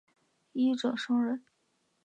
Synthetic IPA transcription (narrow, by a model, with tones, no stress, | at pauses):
i˥ʈ͡ʂɤ˨˩ʂɤ˥ŋɻə˧˥n